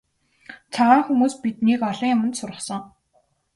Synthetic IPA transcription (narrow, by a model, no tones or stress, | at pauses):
t͡sʰaʁaːŋxumuːspit̪niːkɔɮɞ̆ŋjʊmə̆nt̪sʊrʁə̆χsɞ̆ŋ